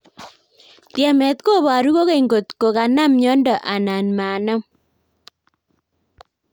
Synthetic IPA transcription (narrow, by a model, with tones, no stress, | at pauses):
tjɛ˨mɛ˨t̪ko˦βa˨ɾu˦ko˦ke˦i˨ŋɡo˨t̪ko˨ka˨na˦mɲɔ˦ndɔ˨ʔa˨na˨nma˨nɔ˦m